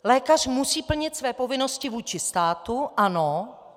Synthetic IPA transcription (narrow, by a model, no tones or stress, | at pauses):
lɛːkar̝̥musiːpl̩ɲɪt̪svɛːpo̞vɪno̞scɪvuːt͡ʃɪst̪aːt̪uʔano